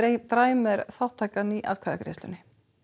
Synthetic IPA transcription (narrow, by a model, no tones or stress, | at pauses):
t̪ɾaːjmɛɾθawht̪ʰːaːjkaniʔa̰ðkʰvaða̰kɾḛst̪ʏ̰nɪ